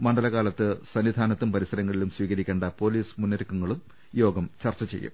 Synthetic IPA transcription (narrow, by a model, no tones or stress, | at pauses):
mɐɳɖɐlɐɣaːlɐt̪ːɨsɐnʋid̪ʱaːnɐt̪ːumpɐɾisɐɾɐŋːɐɭilumsʋiːɣɐɾikʲːeːɳɖɐpo̞ːliːsmunːɐɾukːuŋːɐɭum | jo̞ːɡɐmt͡ɕɐrt͡ɕːɐt͡ɕe̞jːṵm